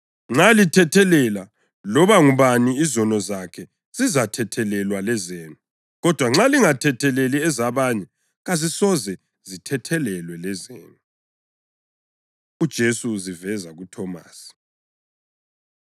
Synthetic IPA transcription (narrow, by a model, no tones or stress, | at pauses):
ŋ͡ǁalitʰɛtʰɛlɛla | lɔβaŋuβaniizɔnɔzakʰɛ | z̥izatʰɛtʰɛlɛlwalɛzeːnu | ɣɔd̥ʱwaŋ͡ǁaliŋatʰɛtʰɛleliɛzaβaɲɛ | ɣazisɔzɛ | zitʰɛtʰɛlɛlwɛlɛzḛːnu | ud̥ʒ̥ʱesuzivɛzaɣutʰɔma̰ːsi̥